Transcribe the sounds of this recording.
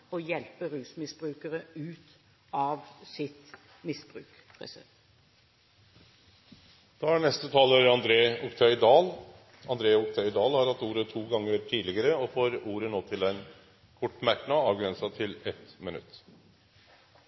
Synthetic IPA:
ɔjɛlpəɾʉːsmɪsb̥ɾʉːkəɾəʉːt̪ | ɑːʋsɪt̪ | mɪsb̥ɾʉ̰ːkʰ | ʁɛs | d̪̥ɑːænɛst̪ət̪ʰɑːləɾɑnd̪ɾeːʊkt̪ʰœʏd̪ɑːl | ɑnd̪ɾeːʊkt̪ʰœʏd̪ɑːlhɑɾhɑt̪ːuːɾət̪ʰuːɡɑŋːəɾʈʰiːlɪɡəɾəɔfoːɾuːɾənoːt̪ʰɪlɛɪn | kʰɔʈːmæʈɳɑɑːʋɡɾɛnsɑt̪ʰɪlɛt̪mɪnʉ̰t̪ː

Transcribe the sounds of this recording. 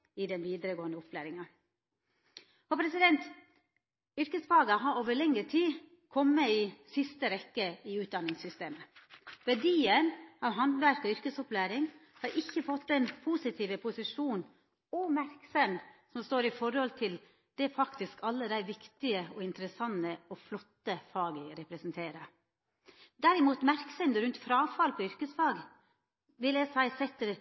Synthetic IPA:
ɪd̪ɛnʋiːd̪əɾəɡoːənd̪əʊpʰlæːɾɪŋɑ | hɔpʰɾɛsɪd̪ɛnt̪ | ʏɾkəsfɑːɡɑɦɑɾoːʋəɭɛŋːəʈʰiː | kʰɔmːəisɪst̪əɾɛkːəɪʉːt̪̚d̪ɑnːɪŋsʏst̪eːməʋæɖiːənɑʋɦɑnd̪ʋæɾkɔʏɾkəsɔplæːɾɪŋhɑɾʔɪçːəfɔt̪ːɛnpʰuːsɪt̪ʰiːʋəpʰʊsɪʂuːn | ɔmæɾksɛnsɔmst̪oːɾɪfɔɾhɔlt̪ʰɪl | d̪̥ɛæɾfɑkt̪ɪskɑlːəd̪æɪʋɪkt̪ɪəɔɪnt̪əɾəsɑnːəɔflɔt̪ːəfɑːɡəɾɛpɾɛsnt̪ʰeːɾə | d̪æɾɪmuːt̪mæɾksɛnd̪əɾʉnt̪fɾɑːfɑlpʰɔʏɾkəsfɑːɡ | ʋɪljæsæɪsɛt̪ːəɾ

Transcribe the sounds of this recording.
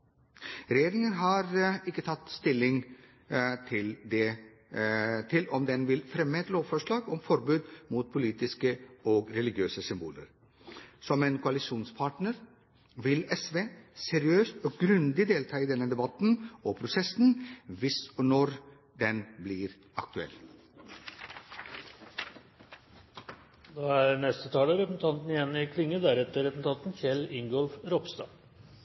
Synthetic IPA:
ɾɛjeːɾɪŋənɦɑːɾɪkːət̪ʰɑt̪ːst̪ɪlːɪŋ | t̪ʰɪld̪ɛ | t̪ʰɪlɔmd̪ɛnʋɪlfɾɛmːəɛt̪loːʋfɔʂɭɑːɡɔmfɔɾbʉːd̪muːt̪̚pʰʊliːt̪ɪskəɔɡɾɛlɪɡjøːsəsʏmbṵːlə̰ɾ | sɔmeːnkʰʊɑlɪsuːnspʰɑːʈnəɾ | ʋɪlɛsʋeːsɛɾɪøːst̪ɔɡɾʉnd̪ɪd̪eːlt̪ʰɑːiːd̪ɛnːəd̪ɛbɑt̪n̩ɔpʰɾʊsɛsn̩ʋɪsɔnɔɾ | d̪ɛnbliːɾ | ɑk̚t̪ʉɛ̰lː | d̪oːæɾnɛst̪ət̪ʰɑːləɾɛpn̩t̪ʰɑnt̪nɪjɛnːɪkʰlɪŋːəd̪æɾɛt̪əɾɛsn̩t̪ʰɑnt̪n̩çɛlɪŋɡɔlfɾɔpst̪ɑ̰ː

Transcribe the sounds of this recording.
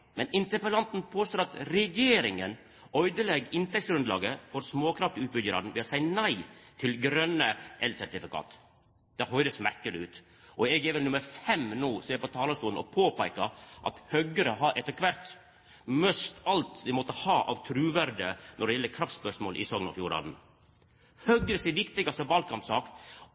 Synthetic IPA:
mɛnɪnt̪əɾpəlɑnt̪n̩pʰoːst̪oːɾɑt̪ɾɛjeːɾɪŋən | œʏd̪əlɛɡɪnt̪ɛksɡɾʉnd̪lɑ̰ːɡəfɔɾsmoːkʰɾɑft̪ʉːt̪̚bʏɟəɾɑ̰d̪n̩ʋɛːɔsæɪnæɪt̪ʰɪlɡɾœnəʔɛlsæɾt̪ɪfɪkʰɑ̰ːt̪ | d̪̥ɛhɦœʏd̪əsmæɾkəlɪʉːt̪ | ʔɔɛɡɛʋəlnʉməɾfɛmnuːseːɾpɔt̪ʰɑːləst̪uːln̩ɔ̰pʰoːpæɪkɑʔɑ̰t̪hœɡəɾəɦɑɾʔɛt̪ːəɾkʰʋæɾt̪ | mœst̪ɑlt̪d̪ɛmɔt̪ːəhɑːʔɑ̰ʋt̪ʰɾʉːʋæɾd̪ə̰nɔɖɛjɛlːəɾkʰɾɑft̪spœʂmoːlʔɪ̰sɔŋənɔ̰fjuːɾɑ̰ːd̪n̩ | hœɡːəɾəsɛːɾʋɪkt̪ɪɡɑst̪ɔbɑlkʰɑmpsɑːk

